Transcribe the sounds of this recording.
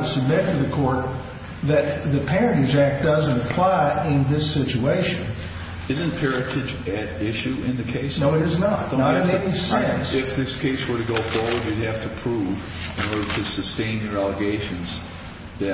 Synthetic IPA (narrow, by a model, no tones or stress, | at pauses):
sɨb̚mɪk̚tʌðɨkʰɔɹt̪̚ | ðɨt̪̚ðɨpʰɛɹɨ̃nizæk̚d̥ʌzɨ̃nəpʰl̥aɪʔɪ̃nðɪsɪt͡ʃueɪʃɨ̃n | ɪzɨ̃npʰɛɹɨɾɨd͡ʒɨɾɪʃʉɪ̃nðɨkʰeɪsnoʊɨɾɨznətaʊmedisɛ̃nsɪfðɪskʰeɪswə˞ɾɨɡoʊboʊlˠdwɨd̚hæftʰɨpʰɹ̥uv | ɨ̃nɔɹɾə˞ɾɨsɨstẽɪ̃njə˞ælˠəɡeɪʃɨ̃nz | ðɨ